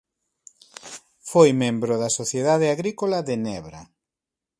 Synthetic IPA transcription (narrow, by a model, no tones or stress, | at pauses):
fojmẽmbɾoðɐsoθjeðað̞eaɣɾikolaðenɛβɾa̰